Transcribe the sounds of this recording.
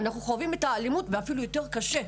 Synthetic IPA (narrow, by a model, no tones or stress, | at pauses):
naχnuχoavimetalimutveafilujo̞te̞ʁ̞kaʃe̞